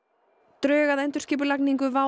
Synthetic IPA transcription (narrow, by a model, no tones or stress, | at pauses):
t̪ɾœːɣaðɛnt̪ʏɾ̥scɪːp̬ʏlakniŋkʏva